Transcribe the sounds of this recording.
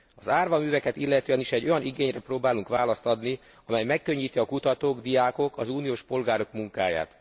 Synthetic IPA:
ɒzaːrvɒmyːvɛkɛt̪ilːɛt̪øːɛniʃɛɟːo̞jɒniɡeːɲrɛproːbaːluŋkʋaːlɒst̪ɒd̪ni | ɒmɛjmɛkːø̞ɲːiːt̪iɒkut̪ɒt̪oːɡd̪ijaːkokʰɒzuːnijoːʃpo̞lɡaːɾo̞kmuŋkaːja̰ːt̪

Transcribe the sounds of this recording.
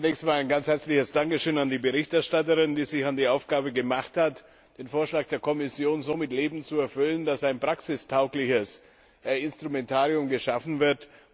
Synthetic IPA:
t͡sunɛːkstmaːlaɪnɡanshɛɐt͡slɪçəsd̥aŋkəʃøːnandiːbəʁɪçtɛɐʃtatəʁɪndiːzɪçandiːʔaʊfɡ̥aːbəɡəmaχthat | d̥eːnfoːɐʃlaːk̚d̥eːɐkʰɔmɪsjoːnzoːmɪtleːbm̩t͡suɛɐfʏləndasaɪnpʁ̥aksɪstʰaʊklɪçəs | ɪnstʁ̥umɛntʰaːʁiʊmɡəʃafn̩vɪɐt

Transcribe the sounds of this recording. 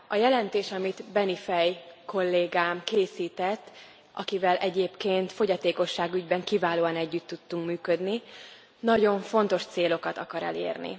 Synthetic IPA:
ɒjɛlɛnt̪eːʃɒmit̪bɛnifɛjko̞lːeːɡaːmkeːsiːt̪ɛt̪ː | ʔɒ̰kivɛlʔɛɟeːpkeːnt̪fo̞ɟɒt̪eːko̞ʃːaːɡyɟbɛŋkivaːloːɒnɛɟːyt̪ːut̪ːuŋkmyːkø̞d̪ni | nɒɟo̞ɱfo̞nt̪o̞ʃt̪seːlo̞kɒt̪ɒkɒɾɛ̰lḛːrnḭ

